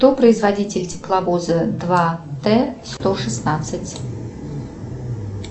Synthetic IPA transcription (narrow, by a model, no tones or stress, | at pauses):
t̪opɾəɪzvɐdʲitʲɪlʲtʲɪ̥plˠɐvozəd̪vat̪ɛst̪oʂɨsnat̪sɨtʲ